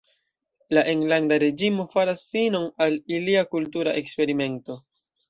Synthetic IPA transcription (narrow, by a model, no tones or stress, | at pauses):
laʔeŋlandaɾe̞d͡ʒimo̞faɾasfino̞naliliakultuɾaʔe̞kspe̞ɾime̞nto̞